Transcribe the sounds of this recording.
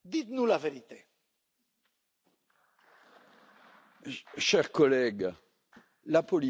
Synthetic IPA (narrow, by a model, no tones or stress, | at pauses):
d̪it̪nulaveʁit̪e | ʃɛʁkɔlɛɡ | lapɔli